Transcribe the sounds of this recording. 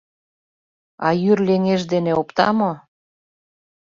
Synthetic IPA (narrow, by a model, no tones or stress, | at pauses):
ɑjyrleŋeʒd̪eneopt̪ɑ̰mo